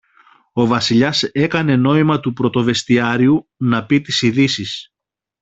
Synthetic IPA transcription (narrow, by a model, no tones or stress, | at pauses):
o̞vɐsiʎɐse̞kɐne̞no̞imɐt̪upɾo̞t̪o̞ve̞st̪iɐɾiunɐpit̪isiðisis